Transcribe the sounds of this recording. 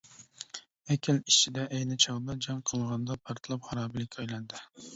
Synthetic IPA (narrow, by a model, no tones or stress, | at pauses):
ɛkʲʰɪli̥t͡ʃʰid̪ɛʔɛjnɪt͡ʃʰɑʁd̪ɑd͡ʒɑŋqʰəlˠʁɑnd̪ɑpʰɑɾt̪ʰlˠɑpχɑɾɑːbɪlɪkʲʰɑjlˠɑnd̪ɨ